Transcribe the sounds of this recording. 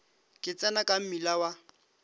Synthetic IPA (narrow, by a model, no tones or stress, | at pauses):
kʼɪt͡sʼɛnakʼam̩milawa